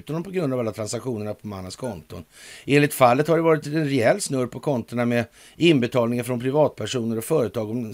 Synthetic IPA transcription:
t̪anɔmpʰɔɡɾɵnd̪avalːat̪ʰɾansakɧuːnəɳapʰɔmanːənskʰɔnt̪ʊnʔeːnlɪkt̪falːət̪haɖɛvɑːɾɪt̪ɛnɾɛɛlːsnɵɾpʰɔkʰɔnt̪əɳamɛ | ɪnbɛt̪ʰɑːlnɪŋafɾɔnpʰɾɪvɑːt̪̚pʰæʂuːnəɾɔfœːɾət̪ʰɑːɡɔm

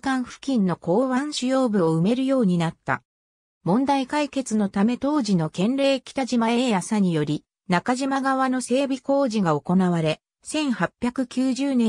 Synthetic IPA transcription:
kãɰ̃ɸɯ̟̥kʲĩnːo̞ko̞ːβãɰ̃ɕɨjo̞ːbɯ̟o̞ɯ̟me̞ɾɯ̟jo̞ːɲ̟inat̪ːa̰ | mõ̞nd̪aikaike̞t͡sɨno̞t̪ame̞t̪o̞ːʑino̞kẽ̞nɾe̞ːkʲi̥t̪aʑimaejasaɲ̟ijo̞ɾʲi | nakaʑimaɡaβano̞se̞ːbʲiko̞ːʑiɡao̞ko̞naβaɾe̞ | sẽ̞ɰ̃hapʲjakɯ̟kʲɨːʑɨːnẽ

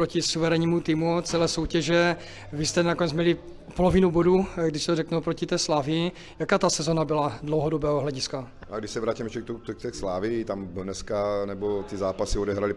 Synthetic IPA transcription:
pɾocɪsuvɛɾɛɲiːmut̪ɪmut͡sɛlɛːso̞wcɛʒɛ | vɪst̪ɛnakonɛt͡smɲɛlɪ | polovɪnuboduɡdɪʃsɛt̪orɛknupɾocɪt̪ɛːslaːvɪɪ | jakaːt̪asɛzonabɪladlowɦodobɛːɦoɦlɛɟɪska | ʔaɡdɪʃsɛvɾaːcimɛʃt͡ʃɛkt̪ut̪ɛkt̪ɛslaːvɪt̪amnɛskanɛbot̪ɪzaːpasɪodɛɦɾalɪ

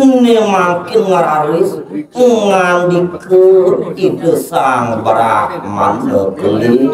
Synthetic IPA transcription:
nemaŋkɪnŋaɾalisŋandikuritəsaŋbɾama̰nbə̰kəli

